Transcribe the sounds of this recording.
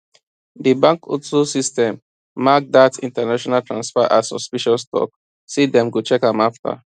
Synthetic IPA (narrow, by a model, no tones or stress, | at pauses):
dibãŋkʰo̰tsusistɛ̃mː | ak̚datḭ̃ntanaʃɔnaltɹãnsfaʔasɔ̰spiʃɔstɔ̰k̚ | sidɛ̃mɡut͡ʃɛkãmafta̰